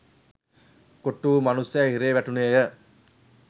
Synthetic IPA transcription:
koʈːuːmɐnusːæɦiɾeːʋæʈuneːjə

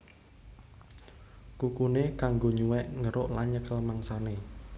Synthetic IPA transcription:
kukunekaŋɡoɲuwɛʔŋəɾoʔlaɲəkəlmaŋsane

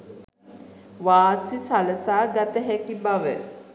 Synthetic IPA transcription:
ʋaːsisaləsaːɡat̪əɦækibaʋə̰

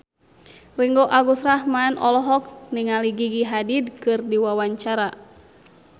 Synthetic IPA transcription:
riŋɡɔʔaɡusrahmanɔlɔɦɔk̚niŋaliɡiɡiɦadidkɨrdiwawaɲt͡ʃaɾa

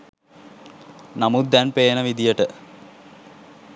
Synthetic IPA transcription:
namud̪̚d̪ænpeːnəʋid̪ijəʈə

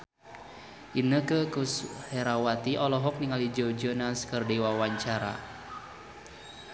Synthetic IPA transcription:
ʔinəkəkusheɾawat̪iʔɔlɔɦɔk̚niŋalid͡ʒod͡ʒɔnaskərdewawaɲt͡ʃaɾa̰

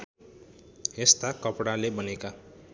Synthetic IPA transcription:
est̪akʌpɽalebʌneka

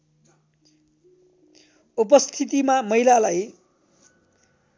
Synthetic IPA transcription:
upʌst̪ʰit̪̬imamʌilalaj

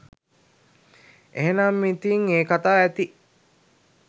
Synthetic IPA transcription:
ʔeɦenamːit̪iŋeːkat̪aːæt̪i

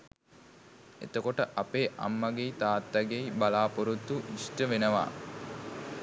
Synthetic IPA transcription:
ḛt̪əkoʈəʔapeːʔa̰mːɐɡeit̪aːt̪ːaɡeibalaːpoɾut̪ːuisʈəʋenəʋa̰ː

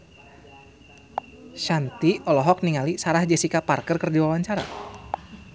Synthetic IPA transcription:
ʃant̪iɔlɔɦɔk̚niŋalisaɾahd͡ʒɛsikaparkərkərd͡ʒawawaɲt͡ʃaɾa̰

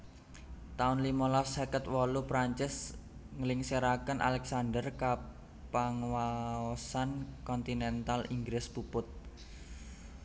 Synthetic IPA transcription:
t̪aʊnlimɔlafsekət̪̚wɔlupɾaɲt͡ʃɪsŋəlɪŋseɾakənʔa̰lɛksandərka | paŋwaɔsankɔnt̪inɛnt̪aliŋɡɾɪspupʊt̪̚

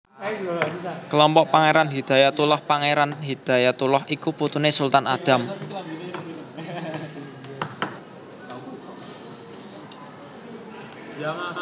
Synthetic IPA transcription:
kəlɔmpɔʔpaŋeɾanɦid̪̥a̤jat̪ulɔhpaŋeɾanɦid̪̥a̤jat̪ulɔɦikuput̪unesult̪anad̪̥a̤m

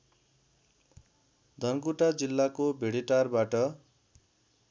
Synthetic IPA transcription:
d̪ʱʌnkuʈad͡zilːakobʱeɽiʈarbaʈʌ

